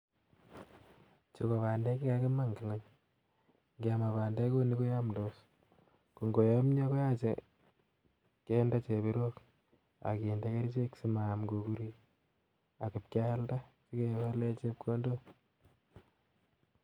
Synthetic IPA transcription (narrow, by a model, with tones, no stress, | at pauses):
t͡ʃiko˨βaː˨nde˦ki˦kakema˦ŋkiŋa˦ɲ | ŋɡia˨ma˨βa˨nde˦ko˦ni˦ko˦jamdo˦s | ku˨ŋɡo˨jomɲe˦ko˦jat͡ʃḛ | ke˦nda˦t͡ʃe˨βiɾok | a̰˨ki˨ndake˦ɾit͡ʃe˦ksi˦mamɡoku˦ɾi˦ | a˨ku˨p̚ka˦lda˦t͡ʃi˦ke˨wale˦t͡ʃe˦p̚kʰo˦ndo